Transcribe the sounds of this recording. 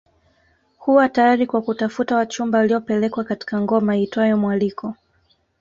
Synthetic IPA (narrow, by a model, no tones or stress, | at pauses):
huwatajaɾikwakutafutawat͡ʃumbawaliɔpɛlɛkwakati̥kaŋɡɔmaitwajɔmwalikɔ